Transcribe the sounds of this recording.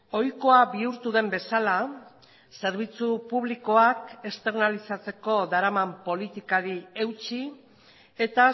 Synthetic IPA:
o̞jko̞aβiuɾt̪uðe̞mbe̞sala | se̞ɾβ̞it͡supuβliko̞ake̞st̪e̞ɾnalisat͡se̞ko̞d̪aɾamampo̞lit̪ikaɾie̞wt͡ʃi | et̪a

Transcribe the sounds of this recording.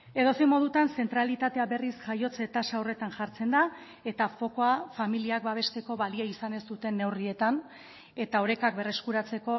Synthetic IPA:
e̞ð̞o̞sejmo̞ðut̪anse̞nt̪ɾalit̪at̪e̞aβe̞risʝajo̞t͡se̞t̪asaore̞t̪anʝaɾt͡se̞nd̪a | e̞t̪afo̞ko̞afamiliak̚baβ̞e̞st̪e̞ko̞βaliaisane̞st̪ut̪e̞nːe̞wrie̞t̪an | e̞t̪ao̞ɾe̞kakbe̞re̞skuɾat͡se̞ko̞

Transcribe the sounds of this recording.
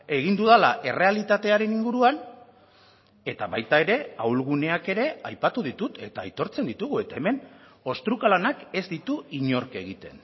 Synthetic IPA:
e̞ɣind̪uðalaʔe̞re̞alit̪at̪e̞aɾe̞niŋɡuɾuan | e̞t̪aβajt̪ae̞ɾe̞awlɣune̞ake̞ɾe̞ajpat̪uðit̪ut̪ʰe̞t̪aːjt̪o̞ɾt͡se̞nd̪it̪uɣue̞t̪ae̞me̞no̞st̪ɾukalanake̞zd̪it̪uiɲo̞ɾke̞ɣ̞it̪e̞n

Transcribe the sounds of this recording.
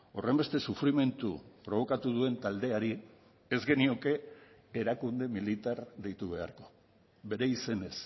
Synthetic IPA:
o̞re̞mbe̞st̪e̞sufɾime̞nt̪ṵpɾo̞β̞o̞kat̪uðue̞nt̪ald̪e̞aɾi | ezɡe̞nio̞ke̞ | eɾakund̪e̞milit̪aɾðejt̪uβe̞a̰ɾko̞̥ | βe̞ɾe̞ise̞ne̞s

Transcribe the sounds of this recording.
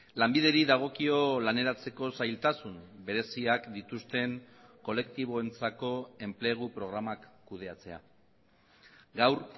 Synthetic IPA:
lambiðe̞ɾiðaɣ̞o̞kio̞lane̞ɾat͡se̞ko̞sajlt̪asumbe̞ɾe̞siakd̪it̪ust̪e̞ŋko̞le̞kt̪iβ̞o̞e̞nt͡sako̞e̞mple̞ɣ̞upɾo̞ɣ̞ɾamakːuð̞e̞at͡se̞a̰ | ɡawr

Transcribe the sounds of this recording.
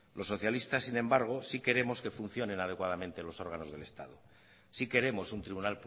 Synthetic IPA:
lo̞sːo̞θjalist̪asːinẽ̞mbaɾɣ̞o̞sike̞ɾe̞mo̞ske̞fun̟θjo̞nẽ̞nað̞e̞kwað̞amẽnt̪elo̞so̞ɾɣano̞zðelest̪að̞o | sike̞ɾe̞mo̞sunt̪ɾiβunalp

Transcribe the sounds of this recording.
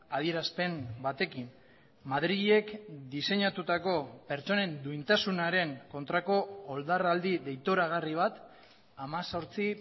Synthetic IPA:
aðie̞ɾaspe̞mbat̪e̞kin | maðɾiɣie̞kd̪ise̞ɲat̪ut̪ako̞pe̞ɾt͡so̞ne̞nd̪uint̪asunaɾe̞ŋko̞nt̪ɾako̞ːld̪arald̪iðe̞jt̪oɾaɣ̞ariβ̞at̪ | amaso̞ɾt͡si

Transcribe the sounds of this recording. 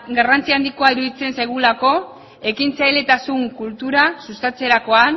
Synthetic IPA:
ɡarant͡siand̪ikoaiɾuðit͡se̞nsajɣulako̞ | e̞kint͡sajle̞t̪asuŋkult̪uɾasust̪at͡se̞ɾako̞an

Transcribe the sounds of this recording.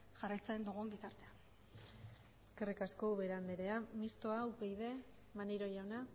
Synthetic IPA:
ʝarajt͡saend̪oɣumbit̪aɾt̪ea | eske̞rikasko̞βe̞ɾand̪eɾe̞amist̪o̞awpejðe̞ | maneɾo̞ʝawna

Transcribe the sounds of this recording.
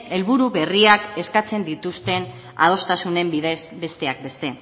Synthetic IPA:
e̞lβuɾuβe̞riake̞skat͡se̞nd̪it̪ust̪e̞n | a̰ð̞o̞st̪asune̞mbiðesbe̞st̪e̞ak̚be̞st̪e̞

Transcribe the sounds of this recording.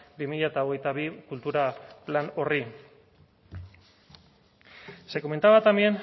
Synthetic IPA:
bimiʎat̪aoɣe̞jt̪aβ̞ikult̪uɾaplano̞ri | se̞ko̞me̞nt̪aβat̪amien

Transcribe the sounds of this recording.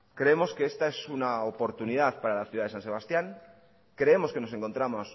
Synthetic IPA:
kɾe̞emo̞ske̞e̞st̪ae̞sunaopo̞ɾt̪unið̞aðpaɾalaθjuðaðeanse̞βast̪jaŋ | kɾe̞e̞mo̞ske̞no̞se̞ŋko̞nt̪ɾamo̞s

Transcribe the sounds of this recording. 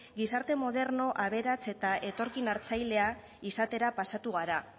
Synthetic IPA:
ɡisaɾt̪e̞mo̞ð̞e̞ɾno̞ʔaβe̞ɾat͡se̞t̪aʔe̞t̪o̞ɾkinaɾt͡sajle̞a | isat̪e̞ɾapasat̪uɣaɾa

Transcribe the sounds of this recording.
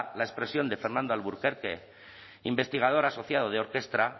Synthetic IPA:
laespɾe̞sjo̞nd̪e̞fe̞ɾnãnd̪oalβuɾkeɾkḛ | imbe̞st̪iɣ̞að̞oɾaso̞θjað̞oð̞eo̞ɾke̞st̪ɾa

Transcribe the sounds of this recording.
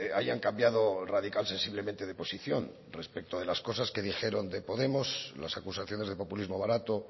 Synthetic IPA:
aʝaŋkambjað̞o̞rað̞ikalse̞nsiβle̞mẽnt̪e̞ð̞epo̞siθjo̞̰n | re̞spek̚t̪oð̞e̞lasko̞saske̞ðixe̞ɾo̞nd̪e̞po̞ðe̞mo̞sla̰sakusaθjo̞ne̞zðe̞po̞pulizmo̞βaɾat̪o̞

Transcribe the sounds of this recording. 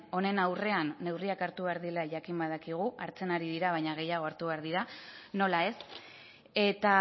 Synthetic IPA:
o̞ne̞nawre̞anːe̞wriakaɾt̪uβe̞aɾðilaʝakimbaðakiɣ̞uʔaɾt͡se̞naɾiðiɾaβajɲaɣ̞e̞jaɣo̞aɾt̪uβe̞aɾðiɾano̞lae̞s | e̞t̪a

